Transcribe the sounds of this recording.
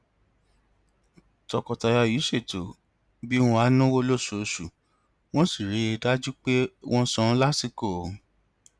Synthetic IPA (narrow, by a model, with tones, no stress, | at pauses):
tɔ˨kɔ˨ta˨˧ja˧ji˨˦se˦˨to˨ | bi˦wɔ̃˧a˧˦nũ˦wo˦lo˦˨su˨o˨su˨ | w̃ɔ̃˦si˦˨ɾi˨˦e˧da˦d͡ʒu˦k͡pe˦wʔɔ̃˦sɔ̃˧˦la˦si˦˨ko˦˨